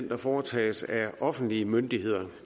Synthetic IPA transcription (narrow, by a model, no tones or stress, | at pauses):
n̰d̥æfɒːt͡sʰɛ̰ːsæʔɒ̽fn̩d̥liəmønd̥ihe̝ð̰ˠɐ